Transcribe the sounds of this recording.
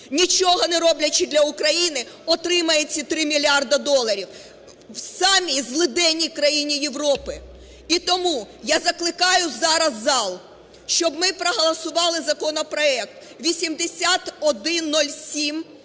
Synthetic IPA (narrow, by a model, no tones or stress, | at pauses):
nʲit͡ʃɔɦɔnɛɾɔblʲɐt͡ʃɪd̪lʲɐʊkɾɐjinɪ | ɔt̪ɾɪmɐjet͡sʲːɐt̪ɾɪmʲilʲiɑrd̪ɐd̪ɔlˠɐɾʲiw | wsɑmʲizlˠɪd̪ɛnʲːikɾɐjinʲijeʋɾɔpɪ | it̪ɔmujazɐklˠɪkɑjʊzɑɾɐzːɑlˠ | ʃt͡ʃɔbmɪpɾɔɦɔlˠɐsʊʋɑlˠɪzɐkɔnɔpɾɔɛk̚t̪ | ʋʲisʲimd̪esʲat̪ɔd̪ɪnːɔlʲsʲim